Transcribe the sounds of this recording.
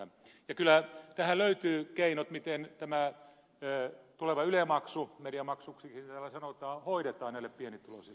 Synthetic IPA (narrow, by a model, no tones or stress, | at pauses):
jɑkylæt̪æhæløyt̪yːkeinot̪mit̪ent̪æmæː | t̪uleʋɑylemɑksumediɑmɑksuksiknit̪ælæsɑnot̪ɑːhoiɾet̪ɑːnnæileppienit̪ːulo̰si